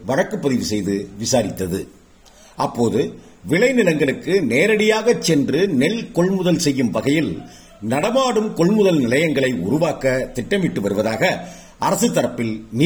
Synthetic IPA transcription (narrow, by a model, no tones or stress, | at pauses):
ʋɐɻɐkːɯpːɐðɪʋɯsɛjðɯʋɪsaːɾɪt̪ːɐðɯ | ʔɐpːoːðɯ | ʋɪɭɐɪnɪlɐŋɡɐɭɯkːɯneːɾɐɽɪjaːɣɐt͡ʃːɛndrɯnɛɭkɔɭmʊðɐlsɛjːɯmʋɐɣɐjɪl | nɐɽɐmaːɽɯmkɔɭmʊðɐlnɪlɐjɐŋɡɐɭɐɪʊ̰ɾʊʋaːkɐt̪ɪʈːɐmʋɪʈːɯʋɐɾɯʋɐðaːɣɐ | ʔɐɾɐsɯt̪ːɐɾɐpːɪlni